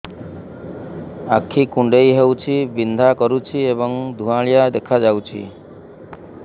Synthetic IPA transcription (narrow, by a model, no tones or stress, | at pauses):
akʰːikuɳɖejɦewt͡ʃʰibind̪ʱakɔɾut͡ʃʰiebɔŋd̪ʱuãɭijad̪ekʰad͡ʒawt͡ʃʰḭ